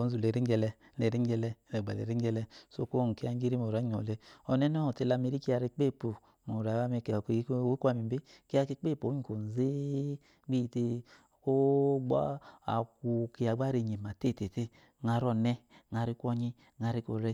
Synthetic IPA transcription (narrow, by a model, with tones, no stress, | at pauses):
o˨˦n˦zu˨le˨ɾi˦ŋ˦ɡɛ˧lɛ˧˦lɛ˨ɾi˦ŋ˦ɡɛ˧lɛ˧˦lɛ˨ɡ͡ba̰˨lḛ˨ɾi˦ɡɛ˧lɛ˧so̰˦ko˦˨ŋ˨ke˧˦a˧˦ŋ˦ɡi˦ɾi˦mo˨ɾa˨˦ɲ˨ɔ̰˨le˧ɔ˨nɛ˦n˦ɔ˦ɔ˨te˧˨la˧me˧ɾi˦ki˦a˧ɾi˧k͡pe˦˨po˨ | mo˨ɾa˨˦a˦me˧kke˦ka˧mi˨˦be˦ke˦a˧ke˧˦k͡pe˦˨po˨˦i˦˨ko˨n˨ze˦ | ɡ͡bi˦˨te˧˨ | ko˦ɡ͡ba̰˦a̰˨ku˨ki˧a˨ɡ͡ba˦ɾe˨ɲe˨ma˨te˦˨te˨te˦ | ŋa˧ɾɔ˦˨nɛ˦ŋa˧ɾi˦ku˦ɔ˧ɲi˦ | ŋa˧ɾi˦ko˨ɾe˦